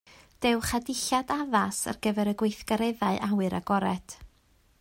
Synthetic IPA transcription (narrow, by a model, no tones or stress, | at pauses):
d̥ɛwχadɪɬadaðasa̰rɡ̥əvɛɾəɡwejθɡ̥aɾɛðaɨʔawɨɾa̰ɡɔɾɛt